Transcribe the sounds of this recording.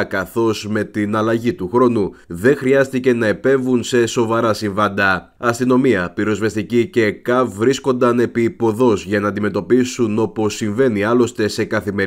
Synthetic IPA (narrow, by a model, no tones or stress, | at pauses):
kɐθo̞zme̞t̪inɐlɐʝit̪uxɾo̞nuðe̞ŋxɾiɐst̪ice̞nɐepe̞ɱvunse̞so̞vɐɾɐsiɱvɐnd̪ɐ | ɐst̪ino̞miɐpiɾo̞zvest̪icice̞kɐvvɾisko̞nd̪ɐne̞pipo̞ðo̞zʝɐnɐːnd̪ime̞t̪o̞pisuno̞po̞sːiɱve̞niɐlo̞st̪e̞se̞kɐθime